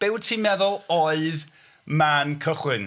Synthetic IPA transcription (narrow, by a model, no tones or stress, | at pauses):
b̥ɪwtʰiːmɛðʊlˠɔɨð | mankʰəχwɪn